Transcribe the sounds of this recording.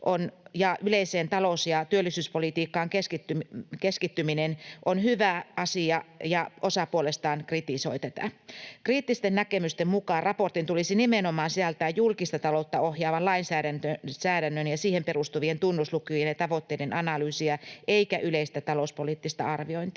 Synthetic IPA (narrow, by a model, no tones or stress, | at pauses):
ʔonjɑʔyleiseːnt̪ɑlosjɑt̪yølːisyːspolit̪iːkːɑːŋkeskit̪ykeskit̪ːyminenʔonhyʋæɑsiɑjɑʔosɑpuolest̪ɑːnkrit̪isoit̪æt̪æ̰kriːt̪ːist̪ennækemyst̪emmukɑːrrɑport̪int̪ulisinimenomɑːnsiælt̪æːjjulkist̪ɑt̪ɑlout̪ːɑohjɑːʋɑnlɑinsæːɾænt̪øsæːɾænːønjɑsiːhemperust̪uʋient̪unːuslukujenjɑt̪ɑʋot̪ːeidenʔɑnɑlyːsiɑʔeikæʔyleist̪æt̪ɑlospoliːt̪ːist̪ɑ̰ɑrʋioint̪i